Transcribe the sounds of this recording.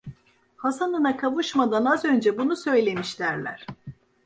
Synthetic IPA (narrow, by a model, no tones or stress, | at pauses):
hasanɯnakʰavuʃmad̪anazø̞nd͡ʒɛbunusø̞jlʲe̞miʃlʲæɾlʲæ̰ɾ̝̥